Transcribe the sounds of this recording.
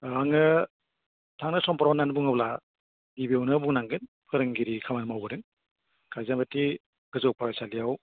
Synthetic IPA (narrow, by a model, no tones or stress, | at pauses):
aŋɯ | tʰaŋnɯsɔmpaɾawnanbuŋɯbla | dibiownɯbuŋnaŋɡɯn | pʰɯɾɯŋɡiɾikʰamanmawbɯɾɯŋ | kʰajzamati | ɡ̥ɯzɔw̚paɾajsalijaw